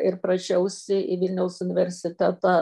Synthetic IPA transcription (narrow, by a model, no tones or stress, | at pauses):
ɪɾpɾɐt͡ʃʲɛʊsʲɪʔiʋʲɪlʲnʲɛʊsʊnʲɪʋʲɛɾʲsʲɪt̪ʲæt̪ɑ